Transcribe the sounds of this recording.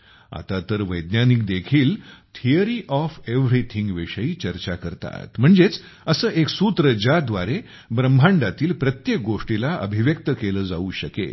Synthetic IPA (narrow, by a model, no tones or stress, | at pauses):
a̰t̪at̪əɾʋəjd̪njanik̚d̪ekʰiːlt̪ʰijəɾiːʔɔfeʋɾit̪ʰĩŋɡʋiʂəiːt͡ɕəɾt͡ɕakəɾt̪a̰t̪m̤əɳd͡zet͡s | əsəːʔeksut̪ɾəd͡ʑad̪ʋaɾe | bɾəmbʱãɳɖat̪iːlpɾət̪jek̚ɡoʂʈilaə̰bʱiʋjək̚t̪əkeləːd͡zauːɕəkḛ